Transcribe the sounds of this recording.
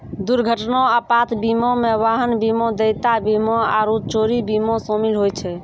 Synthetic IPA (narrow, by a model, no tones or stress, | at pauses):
d̪uɾɡʱəʈnɔapat̪ʰbimõmeʋaɦənbimɔ̃d̪ejt̪abimɔaɾut͡ʃoɾibimosomilɦojt͡ʃʰɛ